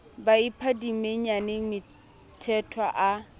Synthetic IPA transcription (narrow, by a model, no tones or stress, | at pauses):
baipʰadimeɲanɪmɪ | tʰɛtʰwaʔa